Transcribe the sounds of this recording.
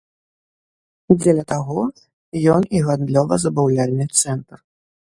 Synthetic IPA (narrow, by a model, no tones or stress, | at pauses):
d͡zʲelʲɐt̪aɣɔ | jɔniɣand̪lʲɔvɐzɐbawlʲalʲnɨt̪sɛnt̪r